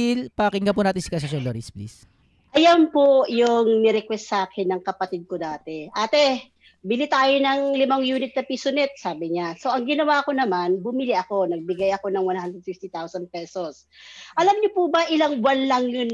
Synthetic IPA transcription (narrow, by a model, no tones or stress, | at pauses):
ɪlpɐkɪŋɡapʊnaːt̪ɪnsɪ̥kasɐsonloːɾisplḭs | ʔɐjampojʊŋnɛɾɛkwɛst̪saːkʰɛnːɐŋkɐpɐt̪id̪̚kod̪aːt̪ɛʔaːt̪ɛ | bɪlit̪aːjonɐŋlɪmɐŋjuːnɪt̪̚nɐpisʊnɪt̪̚saːbɪɲaso̞ʔɐŋɡɪnɐwaːko̞nɐmanbʊmɪliʔɐko̞nɐɡ̚bɪɡajɐko̞nɐŋwɐnhand̪ɾɛd̪fift̪it̪awsɐnd̪̚pɛsos | ʔɐlɐmɲopubɐʔɪlaŋwanlɐŋjʊn